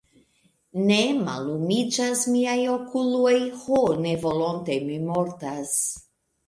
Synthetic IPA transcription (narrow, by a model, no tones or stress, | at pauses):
ne̞ma̰lumid͡ʒasmiajo̞kulojhone̞vo̞lo̞nte̞mimo̞ɾtas